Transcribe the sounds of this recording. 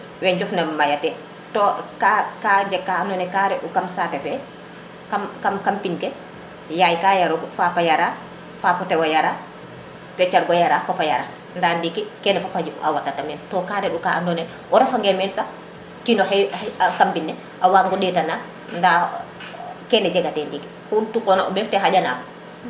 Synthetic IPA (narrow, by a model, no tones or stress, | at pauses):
wɛɲd͡ʒɔfnamajatɛ | tɔkakad͡ʒɛkːaandɔnɛkaɾɛɗukamsatɛfɛ | kamkamkampinkɛ | jajkajaɾɔɡɔfapajaɾa | fapɔtɛwajaɾa | tɛt͡ʃːaɾɡɔjaɾafapajaɾa | ndandikːikɛnɛfapad͡ʒim̰ʔa̰watːatamɛntɔkaɾɛɗukaandɔnɛ | ʔɔɾafaŋɡɛmɛnsa | kinɔhɛakampinːɛ | ʔawaŋɡɔɗɛtana | nda | kɛnɛd͡ʒɛɡatɛndiki̥ | hultukɔnaʔɔ̰bɛftɛɦad͡ʒana